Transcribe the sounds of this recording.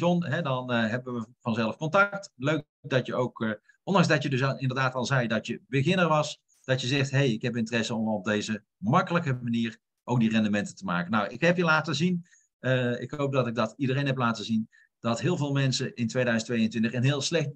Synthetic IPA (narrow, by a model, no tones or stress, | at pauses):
ɔnɦɛdɑnɦɛbəʋəʋəv̥ɑnzɛlˠəfkɔntɑktløk̚dɑtjəowk | ʔɔndɑŋzdɑtədɵsɪndəɹdaːtɑlˠzɛjdɑtjəbəɣɪnəɹʋɑs | d̥ɑtjəzɛχtɦejɪkɦɛp̬ɪntərɛsəɔmɔb̚dejzə | mɑkələkəmaniːɹ | ʔowk̚dirɛndəmɛntətəma̰ːkənawʔɪkɦɛpjəlaːtəzin | əɪ̰kɦowp̚dɑtɪɡ̚dɑtidərejnɦɛp̬laːtəzin | d̥ɑtɦɪːlˠvɪːlˠmɛnsəʔɪntʋejdœɥzəntʋejəntʋɪ̃ntəχənɦɪːlˠslɛxt